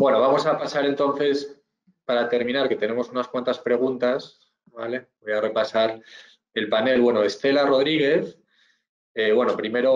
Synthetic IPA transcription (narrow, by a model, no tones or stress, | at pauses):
bwe̞no̞β̞amo̞sapasaɾe̞nt̪o̞n̟θe̞s | paɾat̪e̞ɾmĩnaɾke̞t̪e̞ne̞mo̞sunaskwant̪aspɾe̞ɣ̞unt̪as | bale̞bo̞jare̞pasaɾ | e̞lpane̞lβwe̞noest̪e̞laro̞ð̞ɾiɣ̞e̞θ | eβwe̞no̞pɾime̞ɾo̞